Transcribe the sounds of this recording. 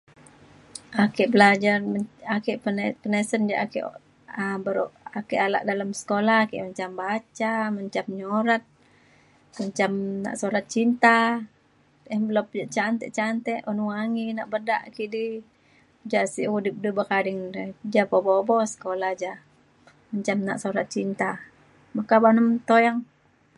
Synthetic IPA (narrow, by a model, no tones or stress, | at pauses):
akɛʔbəlad͡ʒarakɛʔnpənəsənd͡ʒa̰ʔakḭʔ | əbəɾoʔakɛʔala̰ʔdalamsə̥kolahakḭʔmaɲt͡ʃambat͡ʃamaɲt͡ʃamɲoɾat̪̚ | maɲt͡ʃamna̰ʔsoɾat̪̚t͡ʃint̪a | əbəlɔp̚d͡ʒat͡ʃant̪ɛʔt͡ʃant̪ɛʔunuŋaŋinaʔbədaʔkiʔdi | d͡ʒasiʔudɪp̚dubakadɪŋd͡ʒapɔbobɔsə̥kolad͡ʒa | maɲt͡ʃamna̰ʔsoɾat̪̚t͡ʃint̪a | makabanəmt̪ojaŋ